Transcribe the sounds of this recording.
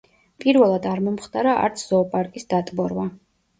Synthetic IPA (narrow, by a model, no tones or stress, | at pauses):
pʼiɾvɛlˠad̪aɾmɔmχt̪ʼaɾaʔa̰ɾt̪sʰz̥ɔpʼaɾkʼisd̪at̪ʼbɔɾva